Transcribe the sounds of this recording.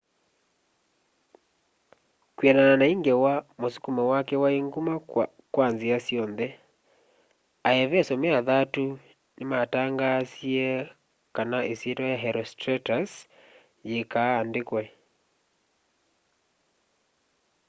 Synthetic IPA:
kwiɛnananaiŋɡɛwamosukumawakɛwaeŋɡuma | kwanziasjɔnðɛ | aɛβɛsɔmɛaðatu | nemataŋɡasiɛ | kanaʔesietɔjaɦɛɾɔstɾɛtas | jekaːndekwɛ

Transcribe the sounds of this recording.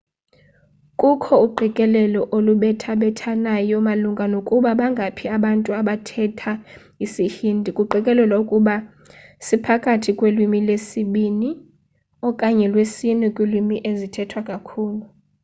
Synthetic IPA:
kʼukʰɔuǃʱikʼɛlɛlɔʔoluɓɛtʰaɓɛtʰanajɔmaluŋɡʱanokʼuɓaɓaŋɡʱapʰiaɓantʼuaɓatʰɛtʰa | isihindʱikʼuǃʱikʼɛlɛlwaukʼuɓa | sipʰakʼatʰikʼwelwimilesiɓini | ɔkʼaɲɛlwesinɛkʼwilwimiʔezitʰɛtʰwakʼakʰuːlu

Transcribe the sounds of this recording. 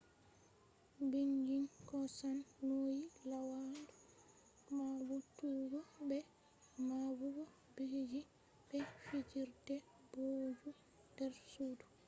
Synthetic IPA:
biŋɡinkɔsanːojilawadu | mabutuɡɔbɛ | mabuɡɔ | bed͡ʒi | bɛfid͡ʒiɾtɛ | boːd͡ʒu | dɛɾsuːdu

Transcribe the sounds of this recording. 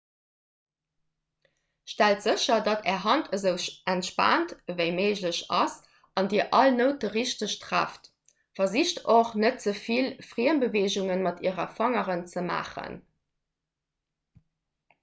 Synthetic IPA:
ʃtæltz̥əɕɐdɑtʰɛːɐɦɑntʰəzəʊʔæntʃpa̰ːntvəɪmeɪʑləɕɑs | ʔɑndiːəʔɑlnəʊt̚əʁiʃtəʃtʁæ̰ːft | fɐziʃtʰoχnət̚z̥əfilfʁiːənbəveːʑuŋənmɑtiːəʁɐfɑŋəʁənt͡səma̰ːχə̰n

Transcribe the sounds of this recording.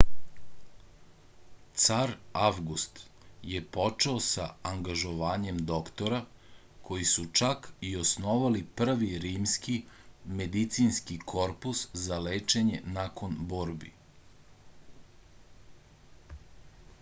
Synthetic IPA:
t̪saɾaʋɡust̪je̞po̞t͡ʃeosaaŋɡaʒo̞ʋaːɲe̞md̪o̞kt̪o̞ɾa | kʰo̞jisut͡ʃakio̞sno̞ʋalipr̩ʋiɾiːmskime̞d̪it̪sinskikʰo̞ɾpuszaleːt͡ʃe̞ɲe̞nako̞nboːɾbḭ

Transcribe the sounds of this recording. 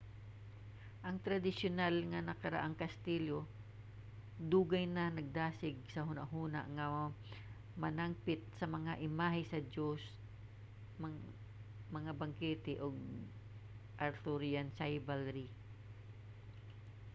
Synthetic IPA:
ʔɐŋt̪ɾɐd̪ɪsjonalŋɐnɐkɐɾa̰ʔaŋkɐst̪iːlo | d̪uːɡɐjnɐnɐɡ̚d̪aːsɪɡ̚sɐɦʊna̰ʔɦuːna̰ʔŋɐ | mɐnaŋpɪt̪̚sɐmɐŋaʔɪmaːɦɪsɐd͡ʒos | m | mɐŋabɐŋkɛːt̪ɛʔoɡ̚ | ʔɐɾt̪ʊɾiansajbalɾi

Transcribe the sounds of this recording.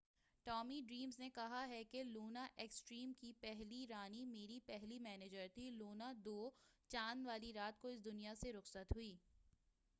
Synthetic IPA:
ʈɔːmiɖɾiːmznekɐɦaɦɛkeloːnaʔeːksʈɾiːmkipɛɦliɾaːnimeːɾipɛɦlimɛːneːd͡ʒəɾt̪ʰiloːnad̪oːt͡ʃaːnʋaːliɾaːt̪koɪsd̪ʊnijaseɾʊxsət̪ɦʊiː

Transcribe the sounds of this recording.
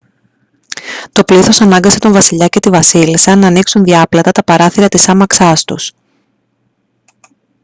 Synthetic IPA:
t̪o̞pliθo̞sɐnɐŋɡɐse̞t̪o̞ɱvɐsiʎɐce̞t̪ivɐsilisɐnɐːniksunðiɐplɐt̪ɐt̪ɐpɐɾɐθiɾɐt̪isɐmɐksɐst̪ṵs

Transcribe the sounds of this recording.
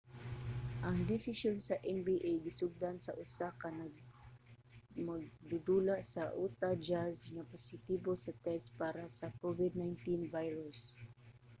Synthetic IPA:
ʔaŋd̪ɪsɪsjonsaʔɛnbiʔejɡɪsʊɡ̚d̪ansaʔʊsakanaɡ | maɡ̚d̪ʊd̪ulaʔsaʔut̪ad͡ʒasŋapʊsɪt̪ibosat̪ɛspaːɾasakovɪd̪̚najnt̪invajɹʊs

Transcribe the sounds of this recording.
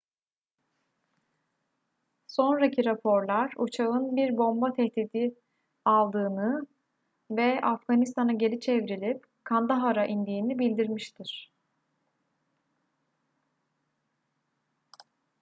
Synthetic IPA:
so̞nɾacʰiɾapʰo̞ɾlˠaɾut͡ʃʰaɯnbiɾbo̞mbat̪ʰɛht̪iːd̪i | alˠd̪ɯːnɯ | vɛafɡanist̪ʰanaɟe̞lʲit͡ʃʰɛvɾilʲip | kʰand̪aɦaɾaʔind̪iːnibilʲd̪iɾmiʃt̪ʰiɾ̥

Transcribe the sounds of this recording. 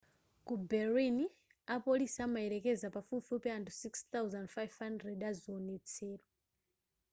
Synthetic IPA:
kubɛɾini | apolisamaɛɾɛkɛzapafufupɛantusikst̪awzandfajvhandrɛdaziɔnɛt͡sʰɛːɾɔ

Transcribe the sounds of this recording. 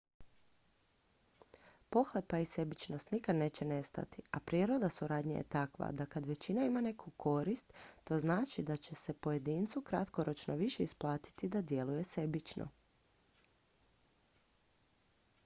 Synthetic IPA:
po̞xlepaise̞bit͡ʃno̞st̪nikad̪ne̞ːt͡ɕe̞ne̞st̪a̰t̪iapɾjeɾo̞d̪asuɾaːd̪ɲa̰jḛt̪akʋa̰d̪akad̪ʋe̞t͡ɕinaimane̞kʰukʰo̞ɾist̪ːo̞znaːt͡ʃid̪at͡ɕe̞se̞po̞je̞d̪iːnt̪sukɾat̪ko̞ɾo̞t͡ʃnoʋiʃe̞isplˠaːt̪i̥t̪id̪ad̪je̞luje̞se̞bit͡ʃnʔo̰

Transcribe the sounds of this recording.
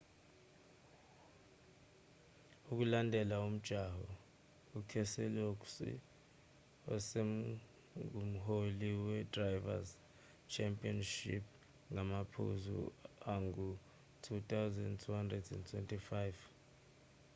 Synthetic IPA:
uk̬ulandʱɛlaum̩d̥ʒ̥ʱaɦɔ | ukʰɛsɛloksḭ | ɔ̰se | um̩ɦoliwɛdrajva̰z | t͡ʃʰɛmpʼiɔnʃḭp̚ʰ | ŋamapʰṵzṵaŋɡu | tʰut̪ʰawzɛndtʰuhandrɛdɛntʰwɛntʰʼifajv

